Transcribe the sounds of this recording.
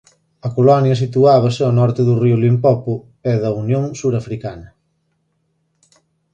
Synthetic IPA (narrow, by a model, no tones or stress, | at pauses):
ɐkolɔnjɐs̬it̪uaβ̞ɐsɪanɔɾt̪ɪðʊriʊlimpɔpʊ | ɛðɐunjoŋsuɾafɾikanɐ